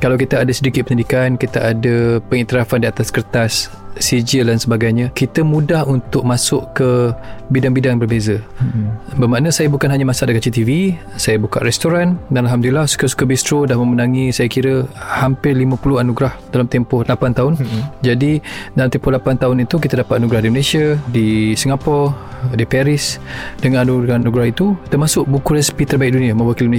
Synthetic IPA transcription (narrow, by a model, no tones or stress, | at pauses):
kalawkit̪əadəsədikit̪̚pəɲədikankit̪əʔadəpəŋiʔt̪iɾafandiat̪askərt̪asː | id͡ʒildansəbaɡajɲãkit̪əmũdahunt̪ʊk̚masʊʔkəbidaŋbidaŋbərbezə | bəmanəsajabukanɦaɲamasaʔdəkat͡ʃit̪ivi | sajabuka̰ʔrɛst̪oɾandanalɦamdulilahsu̥kəsu̥kəbist̪ɾodahmə̃mənaŋisajakiɾəhampɪrlimãpulʊhanuɡɾahd̥alamt̪ɛmpɔhlapant̪aɦʊnd͡ʒadidalamt̪ɛmpɔhlapant̪aɦʊnit̪uk̬it̪adapat̪̚anuɡɾahdiməlesiadisiŋapɔ | dipɛɾisdəŋananuanuɡɾaɦit̪ut̪ərmasʊʔ̚bukuɾɛspit̪ərbaɪk̚dunĩamə̃bakilimə